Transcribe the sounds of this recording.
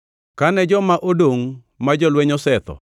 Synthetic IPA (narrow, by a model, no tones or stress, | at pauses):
kanɛd͡ʒɔmaʔodoŋ | mad͡ʒɔlwɛɲɔsɛt̪ɔ̰